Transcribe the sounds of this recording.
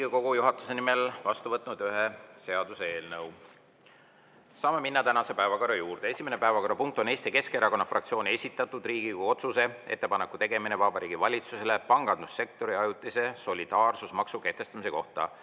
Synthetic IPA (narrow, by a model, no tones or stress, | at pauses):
iɡiko̞ɡ̥ujuɦɑt̪ːˑu̥se̞nimelvɑst̪uvɤt̪ːˑnud̪̥yɦese̞ɑd̪̥usee̞ːlnɤw | sɑːme̞minːɑt̪ænɑse̞pæevɑko̞rɑjuːrd̪̥ee̞sʲime̞ne̞pæevɑkoɾɑpunŋk̚t̪ˑo̞ne̞ːst̪ike̞ske̞ɾɑko̞nːɑfrɑkt̪sioːnʲie̞sʲit̪ːˑɑt̪ːˑud̪riːɡ̥iuo̞t̪suse̞e̞̰t̪ːe̞pɑnekːˑut̪e̞ɡ̥e̞minevɑbɑɾiːɡ̥ivɑlʲit̪suse̞le̞pɑŋɡ̥ɑnd̪usːe̞k̚t̪o̞ɾiɑjut̪ːˑise̞so̞lʲid̪̥ɑːrsusmɑksuke̞ht̪e̞st̪ɑmise̞ko̞̰ht̪ɑ̰